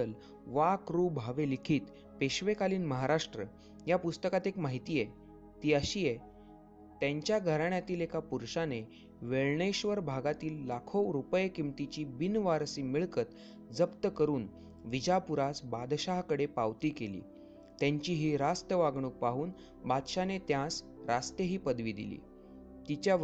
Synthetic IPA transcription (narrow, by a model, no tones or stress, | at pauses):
əl | ʋakɾuːbʱaʋelikʰiːt̪ | peɕʋekaliːnməɦaɾaʂʈɾə | japust̪əkat̪ekmaɦit̪iːje | t̪iːəɕiːje | t̪jaɲt͡ɕjaɡʱəɾaɳjat̪iːlekapuɾɕane | ʋeɭɳeɕʋəɾbʱaɡat̪iːlːakʰowɾupəjkimt̪it͡ɕiːbinʋaɾsiːmiɭkət̪ | d͡zəpt̪əkəɾuːn | ʋid͡ʑapuɾasbad̪ɕaɦkəɽepaʋt̪iːkelḭː | t̪jaɲt͡ɕiːɦiːɾast̪jəʋaɡɳ̃uːk̚paɦuːn | bad̪ɕanet̪jãs | ɾast̪jəɦiːpəd̪ʋiːd̪ḭlḭː | t̪it͡ɕja